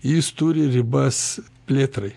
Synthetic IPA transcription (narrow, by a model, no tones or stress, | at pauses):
jɪst̪uːɾʲɪɾʲɪbɐs | pʲlʲeːt̪ɾɐɪ